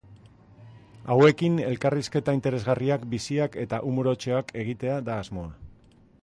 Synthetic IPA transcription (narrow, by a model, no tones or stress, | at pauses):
awe̞kine̞lkariske̞t̪aint̪e̞ɾe̞zɣariakbisiake̞t̪aʔumuɾo̞t͡ʃo̞akʰe̞ɣ̞it̪e̞ad̪aːzmo̞a